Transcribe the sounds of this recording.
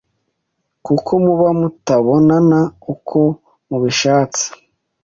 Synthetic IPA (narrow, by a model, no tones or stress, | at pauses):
kukʰo̞muβamutaβo̞nanaukʰo̞ | muβiʃaːt͡si̥